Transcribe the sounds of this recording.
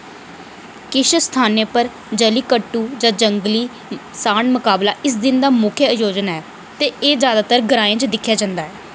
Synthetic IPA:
kɪʃst̪ʰaːnẽːpəɾ | d͡ʒəliːkəʈːuːd͡ʒãːd͡ʒəŋɡliː | saːnmʊkaːblaːʔɪs̬d̪ɪnd̪aːmʊkʰjəəjoːd͡ʒnaːɛː | t̪eːeːd͡ʒjaːd̪aːt̪əɾɡəɾãːẽːt͡ʃd̪ɪkʰːjaːd͡ʒãːnd̪aːɦɛː

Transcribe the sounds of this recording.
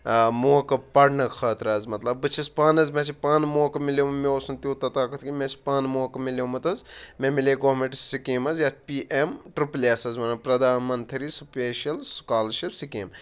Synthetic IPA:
moːkɐpɐɽnɐkxɐːt̪ɾɐːzmɐt̪lɐbːɨt͡ʃʰispaːnɐzmʲẽsʰipaːnmoːkɐmilemmeoːsunt̪iːt̪ɐt̪aːkɐt̪ʰkimʲẽt͡ʃʰi̥paːnmoːkɐmilemɐt̪ɐzmẽmileːɡoːɦmeʈssikiːmɐzjɐt̪̚piːʔemʈɾuplʲeːsɐzmɐnɐpɾɐd̪aːnmɐnt̪ʰɐɾisupeːʃɐlskaːlɾʃipsikeːm

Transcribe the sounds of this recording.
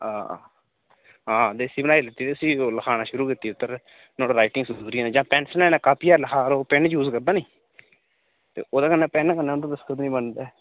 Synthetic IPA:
aː | ɦãːd̪eːsiːbənaːiːlɪt̪ːiːt̪eːəsiːoləkʰaːnaːʃʊɾuːkɪt̪ːiːʊt̪ːəɾ | noːɽːɾaːɪʈɪŋɡsəːɾiãːnẽːd͡ʒãːpɛːnsənɛːnãːkaːpiːaːɾləkʰaːɾoːpɛɳd͡ʒuːzkəɾd̪aːniː | t̪ḛːʔoːd̪aːkənːɛːpɛnkənːɛːond̪õːd̪əskət̪ːnĩːbənd̪eː

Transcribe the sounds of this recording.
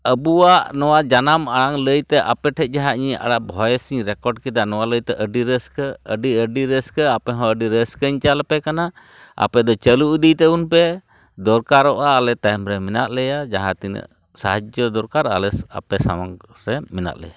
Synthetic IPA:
əbuwaʔnɔwad͡ʒanamaɽaŋləjt̪ɛʔapɛʈʰɛc̪̚ˀd͡ʒaɦãʔɲia̰ɽaʔbʱɔjsiɲɾɛkɔɖkɛd̪anɔwaləjt̪ɛʔəɖiɾəskəəɖiəɖiɾəskəapɛɦɔ̃əɖiɾəskəɲt͡ʃalɛpɛkana | a̰pɛd̪ɔt͡ʃəluud̪it̪ɛunpɛ | d̪ɔɾkaɾɔʔaːlɛt̪ajmɾɛmɛnaʔlɛjad͡ʒaɦãt̪inə̰ | sa̰ɦad͡ʒəd̪ɔɾkaɾa̰lɛa̰pɛsa̰maŋ | ɾɛmina̰ʔlɛ̰ja

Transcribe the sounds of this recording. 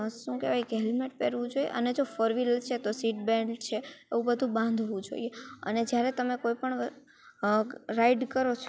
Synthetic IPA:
ʃũkeʋajkeɦɛlmeʈ̚peɾʋũd͡ʒoiḛʔəned͡ʒofəɾʋilt͡ʃʰet̪osiʈbɛ̃ɖt͡ʃʰeeʋũbəd̪ʱũbãnd̪ʱʋũd͡ʒo̰ḭeə̰ned͡ʒjaɾet̪əmekoipəɳ | ɾaiɖkəɾot͡ʃʰ

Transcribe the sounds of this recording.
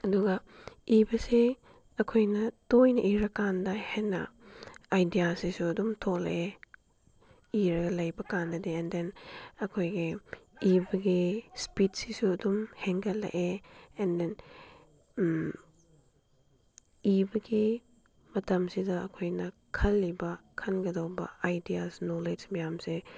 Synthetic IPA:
ɐduɡɐ | ibɐse | ɐkʰojnɐtojnɐʔiɾɐkandɐhenɐ̰ajdijasisuɐdumtʰoklɐ̰ʔe | iɾɐɡɐlɐjbɐkandɐdiɛndenɐkʰojɡeibɐɡispidsisuɐdumheŋkʰɐlːɐ̰ʔeenden | ibɐɡi | mɐtɐmsidɐɐkʰojnɐ | kʰɐlːibɐkʰɐnɡɐdawbɐ̰ajdiasnoled͡ʒmɐjamse

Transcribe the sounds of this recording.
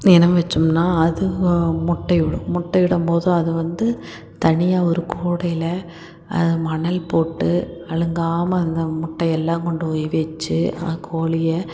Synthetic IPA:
ɛnɐmʋɐt͡ʃːɯmnaːɐðɯmʊʈːɐjɪɽɐmʊʈːɐjʋɪɽɐmpoːðʊ̃ɐðɯʋɐnd̪ɯ | t̪ɐɳɪjaːɔɾɯkuːɽɐjɪlɐ | ɐ̰ðɯmɐɳɐlpoːʈːɯɐɻɯŋɡaːmɐːnd̪ɐmʊʈːɐjɛlːãːŋkɔɳɖɯɔʋet͡ʃːɯɐkʰoːlɪjɐ

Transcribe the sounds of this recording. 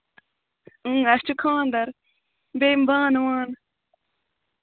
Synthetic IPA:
ɨ̃ːɐst͡ʃukʰãːnd̪ɐɾ | bembãːnwaːn

